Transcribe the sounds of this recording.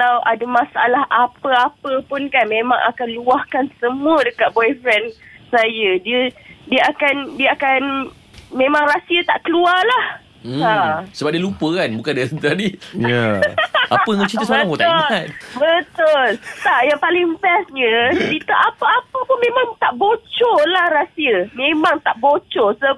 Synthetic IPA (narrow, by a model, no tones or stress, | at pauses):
kalawʔadəmãsaa̰laɦapəapəpʊnkanmẽmãŋʔa̰kanluahkansəmuədəkat̪̚bɔjfɾɛnsajədiədiəakandiəakan | mẽmãŋrasiat̪aʔkəluarlah̩ | asəbap̚diəlupəkanbukandiasənt̪anijaʔaəŋat͡ʃisaot̪aʊlat̪bət̪ʊlt̪aʔjaŋpalɪŋfɛsɲədit̪əʔapəapəpʊnmẽmãŋt̪aʔbot͡ʃɔlahrasiəmemãŋt̪aʔbot͡ʃɔsə